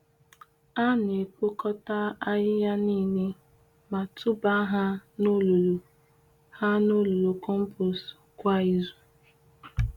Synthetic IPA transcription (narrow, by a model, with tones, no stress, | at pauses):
a˦n˨e˨k͡po˦kɔ˦ta˦a˦ɦɪ˦ja˦niː˦˨ne˦ | ma˨tʰʊ˦ba˦ɦa˦no˦lo˨lo˨ | ha˦no˦lo˨lo˨kɔ˦m̩˦po˨skʷa˦i˦zu˨